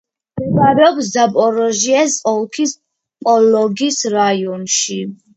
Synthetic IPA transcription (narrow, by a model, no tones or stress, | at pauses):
dɛbaɾɛɔpsd̪apʼɔɾɔʒiɛsʼɔlˠkʰis | pʼɔlɔɡisɾaiɔnʃi